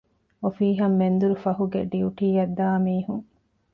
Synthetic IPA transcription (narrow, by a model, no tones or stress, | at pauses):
ofiːɦɐmːend̪uɾufɐɦuɡḛɖiuʈiːɐd̪ːaːmiːhuŋ